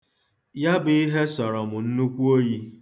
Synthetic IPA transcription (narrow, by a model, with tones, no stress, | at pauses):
ja˦bɪ˨i˦ɦe˦sɔ˨ɾɔ˨mʊ˨n̩˦nu˦kʷu˦o˦ji˦